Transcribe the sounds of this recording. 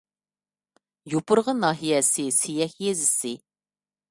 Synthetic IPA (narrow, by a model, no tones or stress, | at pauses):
jopʊɾʁənɑːɦijɛsɪsijɛkʲjezɪsɪ